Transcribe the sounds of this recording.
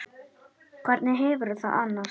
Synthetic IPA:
kʰvɛɾt̪nɪɦɛvʏɾʏθa̰ða̰nːaɾ̥s

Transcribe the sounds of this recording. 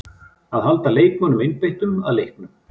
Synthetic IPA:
aðɦalt̪aleːjkmɔnʏmɪnpejht̪ʏma̰ðlejhk̚nʏm

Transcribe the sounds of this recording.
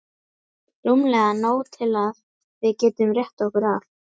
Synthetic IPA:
rumlɛɣanoːwt̪ʰɪlað | vɪðcɛːt̪ʏmrjɛht̪ɔhkʏɾaf

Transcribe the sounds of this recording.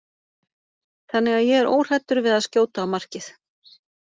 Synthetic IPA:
θanːɪɣaðjɛɣɛɾʔo̰ːwr̥ɛt̪ːʏɾvɪðaðscoːwt̪aːwmar̥cɪθ

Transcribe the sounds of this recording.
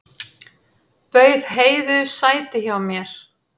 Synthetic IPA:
pœːɥðɦeːjðʏsaːjt̪ɪçaamjɛɾ̥

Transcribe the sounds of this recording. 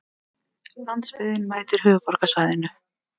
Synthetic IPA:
lant̪spɪðɪnmaːjt̪ɪɾ̥ɦʏːɣpɔɾ̥kasaːjðɪnːʏ

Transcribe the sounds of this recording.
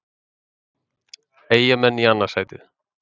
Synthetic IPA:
eːjamɛnːianːasaɣt̪ɪ̰

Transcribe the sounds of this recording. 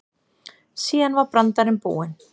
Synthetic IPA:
siːðanvaɾpɾant̪aɾɪnpṵːɪn

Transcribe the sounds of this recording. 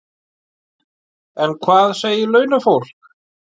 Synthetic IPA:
ɛnkʰvaːðseːjɪlœːɥnafowl̥k̚

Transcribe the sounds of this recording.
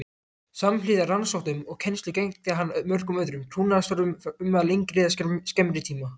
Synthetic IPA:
samflɪːðaransɔht̪ʏmɔɣcʰɛnst̪lɪcejŋt̪ɪɦanmœr̥kʏmœðɾʏmt̪ʰuːnaðast̪ɔɾʏmʏmalejŋkɾɪðasscɛmɾɪt̪ʰiːma

